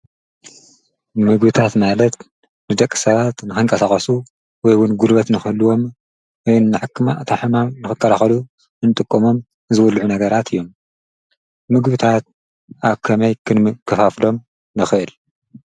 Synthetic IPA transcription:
mɨɡbɨt̪ʰat̪malɐt̪ | nɨd̪ɐkʼːɨ̥sɐβat̪nɨxɨŋkʼɐsaxʼɐsu | wɔjwʊnɡulβɐt̪nɨxɨluwo̞m | wɔjnːɨħɨkʰːɨmat̪ʰaħɨmamnɨxɨkʰʼːɐlaxɐlu | ɨnɨt̪ʼɨkʼːomo̞m | zɨwulːʕunɐɡɐɾat̪ʰɨjːo̞m | mɨɡbɨt̪ʰat̪̚ | ʔaβkʰɐmɐjkʰɨnkʰːɐfaflo̞m | nɨxɨʔɨl

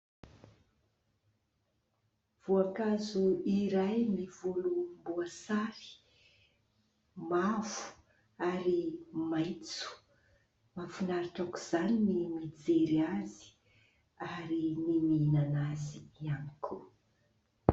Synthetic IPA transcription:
v̥uakazuiɾajmivolumbuasaɾi̥ | mavu̥ | aɾimajt͡su̥ | mafunaɾiʈ͡ʂakuz̥aninimid͡zeɾiazi̥ | aɾinimiinanaziianikʰu

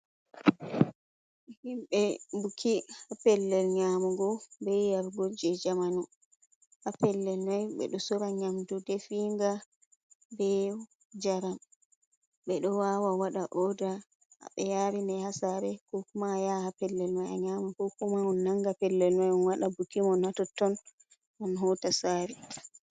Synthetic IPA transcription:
ʔɛhimɓɛbukʰihapɛlːɛlɲamuɡɔbɛjaɾɡod͡ʒɛd͡ʒamanu | hapɛlːɛlmajɓɛ̰ɗɔsɔɾaɲamdudɛfiːŋɡa | bɛ | d͡ʒaɾam | ɓɛɗɔwawawaɗaʔɔda | a̰ɓɛjaɾinɛhasaɾɛkɔkumajahapɛlːɛlmaja̰ɲamukɔkumaɔnːaŋɡapɛlːɛlmajɔnwaɗabukimɔnhatɔtːɔn | ʔɔnɦɔtasaːɾi

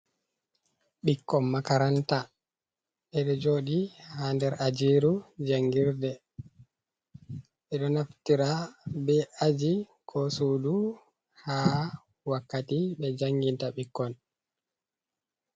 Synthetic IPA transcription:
ɓikːɔmːakaɾanta | ɓɛɗɔd͡ʒoːɗihandɛɾad͡ʒiɾud͡ʒaŋɡiɾdɛ | ɓɛɗɔnaftiɾabɛʔad͡ʒi | kʰɔsuːdu | ha | wakːatiɓɛd͡ʒaŋɡintaɓikːɔn

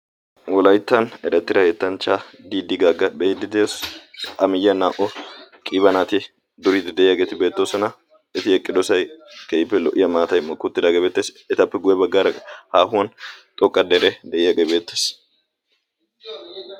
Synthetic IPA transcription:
wɔlɐjt̪ːɐnɛɾɐt̪ːɪɾɐhet̪ːɐnt͡ʃːa | d̪iːd̪ɪɡaɡːɐbɛjɪd̪ɪd̪esɐmɪjːɐnaːʔɔkʼiːbɐnaːt̪ɪ | d̪ʊɾid̪d̪ɛʔɪjaːɡeːt̪ɪbe̞ːt̪ːoːsɔnɐ | ɛt̪ɪɛkʼːɪd̪ɔsɐjkɛjɪpːɛlɔʔɪjɐmaːt̪ɐjmɔkːʊt̪ːɪd̪aːɡɛbeːt̪ːeːs | ɛt̪ɐpːɛɡʊjɛbɐɡːaːɾɐhaːhʊwɐnt̪ʼɔkʼːɐd̪eɾɛd̪ɛʔɪjaɡebe̞ːt̪ːeːs

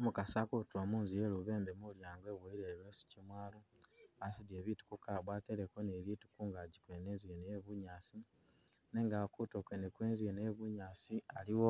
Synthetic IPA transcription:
omukasakutwamuːnzije̞luβe̞ːmbemuljaːŋɡoeβwoiɾeβesi̥cimwaːluasidjeːβitu̥kukaβwaːteɾekonelitu̥kuːŋɡaɟikweneːnzienejeβuɲaːsi | ne̞ŋɡakutokwenekweːnzienejeβuɲaːsialiwo

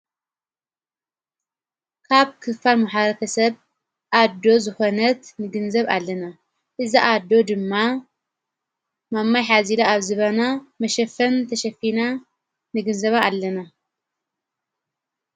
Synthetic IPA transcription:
kʰaβkʰɨfalmaħaɾɐt̪ʰɐsɐβ | ʔad̪ːo̞zɨxonɐt̪nɨɡɨnzɐβa̰lːɐna | ʔɨziʔad̪ːo̞d̪ɨmːa | mamːajħazilaaβzɨβɐnamɐʃɐfɐnt̪ʰɐʃɐfina | nɨɡɨnzɐβaːlːɐna

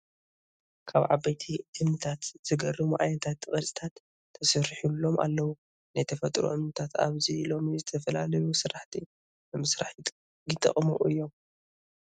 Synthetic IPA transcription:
kʰaβʕa̰bajt̪ʰiʔɨmnɨt̪ʰat̪z̥ɨɡɐrɨmuʔa̰jnt̪ʰat̪ːkʼɐsʼi̥t̪ʰat̪ʰː | ɐsɨɾħulːo̞ma̰lːɐwu | najt̪ʰɐfɐt̪ʼɾṵʔɨmnɨt̪ʰat̪a̰βzilo̞mizɨt̪ʰɐfɐlalɐjusɨɾaħt̪ʰi | nɨmɨsɾaħ | ɡɨt̪ʼɐ̰χʼmṵʔʔɨjːo̞m

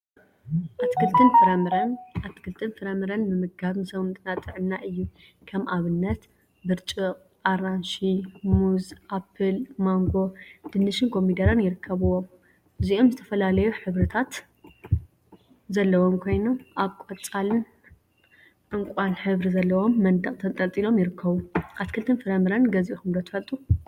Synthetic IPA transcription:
ʔat̪kʰɨlt̪ʰʼɨnfɨɾɐɾɐnʔat̪kʰɨlt̪ʰʼɨnfɨɾɐmɨɾɐnmɨmɨɡaβnsɐβɨnt̪ʼɨnat̪ʼɨʕɨnːaʔɨjːukʰɐmʔaβɨnːɐt̪ | bɨɾt͡ʃʼɨ | ʔaɾanʃimuzʔapʰːɨlmaŋɡo̞d̪̥ɨnɨʃɨnkʰo̞mid̪ɐɾɐnjɪɾɨkʰːɐβɨwo̞m | ɨziʔo̞mzɨt̪ʰɐfɐlalɐjuħɨβɾɨt̪ʰat̪ | zɐlːɐwo̞mkʰo̞jno̞mʔaβkʼot͡sʼalɨn | ʔɨŋkʷʼanħɨβɾizɐlːɐwo̞mːɐnd̪ɐkʼt̪ʰɐnt̪ʼɐlt͡s̪ʼilo̞mjɪɾɨkʰːɐβuʔat̪kʰɨlt̪ʰɨnfɨɾɐmɨɾanɡɐziʔuxɨmd̪ot̪ʰɨ̥fɐlt̪ʼu

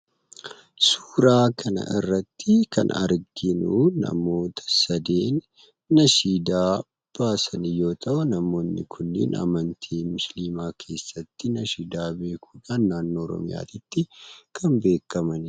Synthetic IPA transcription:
su̥ːɾaːkʰɐnɐ̰ʔɪ̰rːɐt̪ːɪkʰɐ̰nɐ̰ɾɡɪnuːnɐ̰mo̞ːt̪ʰɐ̥sɐd̪eːnː | ɐʃiːd̪aː | b̥aːsɐnɪjo̞ːt̪ʰɐʔʊnɐmo̞ːnːɪ̰kʰʊnːɪ̰nɐ̰mɐnt̪ʰiːmʊsliːmaːkʰe̞ːsːɐt̪ːɪnɐʃiːd̪aːbe̞ːkʰuːᶑaːnːaːnːoːɔɾɔ̰mɪ̰ja̰ːt̪ɪt̪ːɪkʰɐmbe̞ːkːɐmɐn

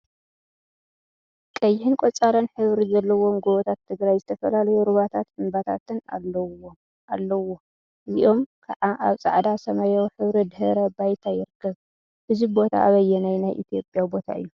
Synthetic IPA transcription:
kʼɐjːɪhɨnkʷʼot͡sʼaɾɐnħɨβɾizɐlːɐwo̞mɡoβot̪ʰat̪ʰːɨɡɾajzɨt̪ʰɐfɐlalɐjuɾɨβat̪ʰat̪ɨmbat̪ʰa̰t̪ɨna̰l | ʔalːɐwo̞ | ʔɨziʔo̞mkʰaʕaʔaβt͡sʼa̰ʕd̪asɐmɐjawħɨβɾid̪hɨɾɐbajt̪ʰajɪɾɨkʰːɐβ | ʔɨzibo̞t̪ʰa̰ʔaβɐjːɛnajnajʔḭt̪ʰijo̞pʼjawibo̞t̪ʰa̰ɨ̰jːu

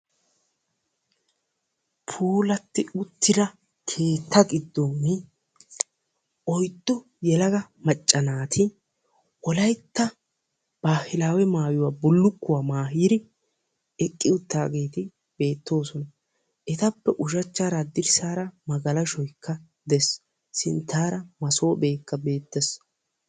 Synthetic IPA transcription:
pʰuːlɐt̪ːɪʊt̪ːɪd̪ɐ | kʰe̞ːt̪ʰːɐɡɪd̪ːoːmːɪ | ʔɔjt̪ʼːʊ | jɛlɐɡɐmɐt͡ʃʼːɐnaːt̪ʰɪ | wɔlɐjt̪ːɐ | b̥aːhɪlaːwɛmaːjʊwaːbʊlːʊkːʊwaːmaːɦiːɾɪ | ɛkʼːɪʊt̪ːa̰ːɡe̞ːt̪ɪ | b̥e̞ːt̪ːo̞ːsɔnɐ | ʔɛt̪ɐpːɛʔʊʃɐt͡ʃːaːɾad̪ɪɾsaːɾɐmɐɡɐlɐʃɔjkːɐ | d̪ɛs | sɪnt̪ːaːɾɐmɐso̞ːbe̞ːkːɐbe̞ːt̪ːɛs

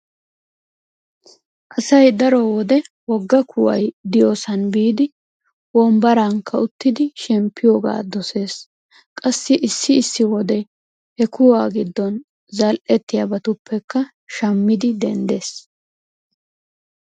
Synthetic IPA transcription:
ʔɐsɐjd̪ɐɾɔwɔd̪ɛwɔɡːɐkʰʊwɐ̰jd̪ɪjoːsɐnbiːd̪ɪ | wɔmbɐɾaŋkːɐʊt̪ːɪd̪ɪʃɛmpʰːɪjoːɡa̰ːd̪ɔse̞ːs | kʼɐsːɪʔɪsːɪɪsːɪwɔd̪ɛ | hɛkʊwaːɡɪd̪ːɔn | zɐlʔɛt̪ːɪjabɐt̪ʊpʰːɛkːɐ | ʃɐmːɪd̪ɪd̪ɛ̰nd̪e̞ːs

